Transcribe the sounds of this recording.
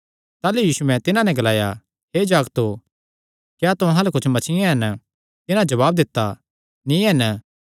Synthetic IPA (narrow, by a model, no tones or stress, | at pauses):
t̪aːlujiːsuɛ̃t̪ɪnãnɛ̃ɡɐlaːja | ɦeːd͡ʒaːɡt̪o | kjaːt̪ʊɦãlakʊt͡ʃʰmɐt͡ʃʰɪẽɦɛn | t̪ɪnãd͡ʒɐβaːb̚d̪ɪt̪ːa | nĩːɦɛn